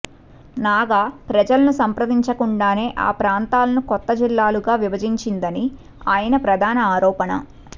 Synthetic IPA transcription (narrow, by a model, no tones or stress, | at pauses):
naːɡaːpɾɐd͡ʒɐlɐnusɐmpɾɐd̪iɲt͡ʃɐkuɳɖaːne̞ːʔa̰ːpɾaːnt̪aːlɐnukɔt̪ːɐd͡ʒilːaːluɡaːʋibɐd͡ʒiɲt͡ʃind̪ɐni | aːjɐnɐpɾɐd̪ʱaːnɐaːɾɔːpɐnɐ̰